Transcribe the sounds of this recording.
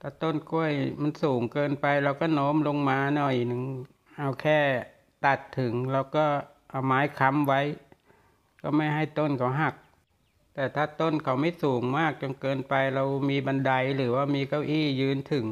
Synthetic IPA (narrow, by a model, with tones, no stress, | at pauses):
t̪ʰaː˧˩t̪o˥˩˨nku˧˥˩əjma˧˥nsuː˩˦ŋkɤː˧npa˧jɾa˧wkɔː˥˩noː˦˥mlo˧ŋmaː˧nɔ˨˩jʔnɯ˨˧ŋ | ʔa˧wkʰɛː˥˩ | t̪a˨˩t̪ʰːɯ˨˩˦ŋɾa˧wkɔː˥˩ | ʔa˨˩maː˨˦˥jkʰa˧˥mwa˦˥j | kɔː˥˩ma˥˩jɦa˥˩jt̪o˥˩nkʰa˨˦wɦa˨˩k̚ | t̪ɛː˨˩t̪ʰaː˥˩t̪o˥˩˨nkʰa˨˦wma˥˩jsuː˩˦ŋmaː˥˩k̚t͡ɕo˧ŋkɤː˧npa˧jɾa˧wmiː˧ba˧nda˧jɾɯː˩˦waː˥˩miː˧ka˧˥˩wʔiː˥˩jɯː˧nt̪ʰɯ˨˩˦ŋ